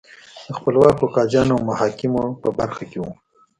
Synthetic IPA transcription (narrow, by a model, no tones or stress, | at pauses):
d̪̥əxpəlwɑkokɑd͡ʒɑnawmʊhɑkɪmopəbaɾxakewu